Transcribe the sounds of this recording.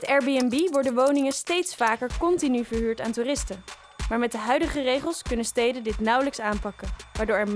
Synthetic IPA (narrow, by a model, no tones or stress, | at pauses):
ɛtɛɹbiɛnbiʋɔɹdənʋownɪŋənstejtsfaːkəɹkɔntinyvəɹɦyːɹtaːntuːrɪstən | maːɹmɛt̚dəɦœɥdəχərejχəlˠskɵnənstejdəndɪtnʌwləksaːnpɑkənʋaːɹdʊːɹɛɹ